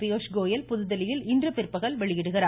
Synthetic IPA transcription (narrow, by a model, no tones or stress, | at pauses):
pɪjoːʂɡoːjɐlpʊðɯðɐlɪjɪlɪndrɐpɪrpːɐɣɐlʋɛɭɪjɪɽɯɣɪraː